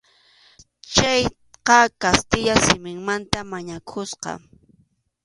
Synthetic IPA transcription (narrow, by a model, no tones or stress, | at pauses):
t͡ʃaj | qɑkast̪ɪʎasɪmɪŋmant̪amaɲakʰʊsqɑ̰